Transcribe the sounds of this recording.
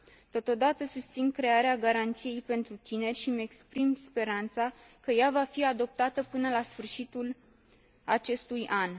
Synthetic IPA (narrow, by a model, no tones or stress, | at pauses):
t̪o̞t̪o̞d̪at̪əsust̪sinkɾe̞aɾeaɡaɾant̪sije̞jpe̞nt̪ɾut̪ine̞rʲʃimekspɾimspe̞ɾant̪sakəjavafiad̪o̞p̚t̪at̪əpɨnəlasfɨrʃit̪ul | at͡ʃe̞st̪ujan